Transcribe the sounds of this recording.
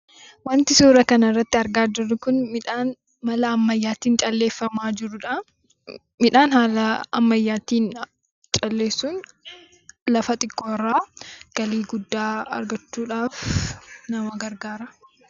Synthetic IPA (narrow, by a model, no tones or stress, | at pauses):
wɐnt̪ɪsuːɾɐkɐnɐɪrːɐt̪ːɪɐɾɡaːd͡ʒɪɾʊkʊnmɪᶑaːn | mɐlɐːmːɐjːaːt̪iːnt͡ʃʼɐlːe̞ːfːɐmaːd͡ʒɪɾʊᶑɐ | mɪᶑaːnhaːlɐɐ̰mːɐjːaːt̪iːn | t͡ʃʼɐlːe̞ːsːuːn | lɐfɐt̪ʼɪkʰʼːoːrːaːɡ̥ɐliːɡʊd̪ːaːɐ̰ɾɡɐt͡ʃːuːᶑaːfnɐmɐɡɐɾɡaːɾɐ